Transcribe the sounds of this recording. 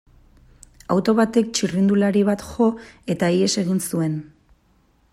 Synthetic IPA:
awt̪o̞βat̪e̞k̚t͡ʃirind̪ulaɾiβ̞at̪ʝo̞e̞t̪aie̞se̞ɣ̞insue̞n

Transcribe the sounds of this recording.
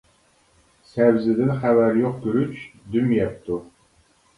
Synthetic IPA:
sæwzɪd̪ɪnχævæɾjoq̚kyɾyt͡ʃd̪ymjɛp̚t̪u

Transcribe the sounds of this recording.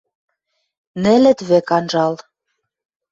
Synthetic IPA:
nɘ̆lɘ̆t̪βĕkɑnʒɑl

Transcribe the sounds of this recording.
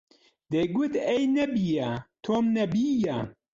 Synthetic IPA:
d̪eɡut̪ejnɐbijat̪ʰoːmnɐbiːja

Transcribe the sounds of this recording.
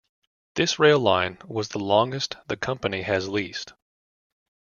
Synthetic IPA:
ðɪsɹeɪlˠãɪ̃nwʌzðəlɔ̃ŋɡɨstðɨkʰʌ̃mpɨniɨzlist

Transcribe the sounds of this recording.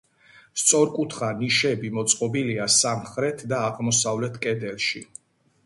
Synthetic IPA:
st̪sʼɔɾkʼut̪ʰχaniʃɛbimɔt̪sʼqʼɔbiliasamχɾɛt̪ʰd̪aːʁmɔsavlɛt̪ʰkʼɛd̪ɛlˠʃi

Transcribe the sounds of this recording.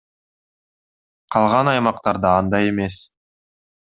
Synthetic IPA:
qʰɑlˠʁɑnɑjmɑqt̪ɑɾd̪ɑːnd̪ɑje̞me̞s

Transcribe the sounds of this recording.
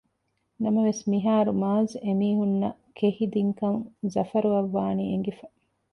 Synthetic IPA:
nɐmɐʋesmiɦaːɾumaːzemiːɦunːɐkʰehid̪iŋkɐnzɐfɐɾuɐʋːaːnieŋɡefɐ

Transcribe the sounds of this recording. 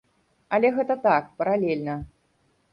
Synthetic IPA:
ɐlʲɛɣɛt̪ɐt̪ak̚pɐɾalʲɛlʲnɐ

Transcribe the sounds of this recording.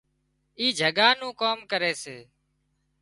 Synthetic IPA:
iːd͡ʒʱəɠaːnũːkoːmkəɾeːseː

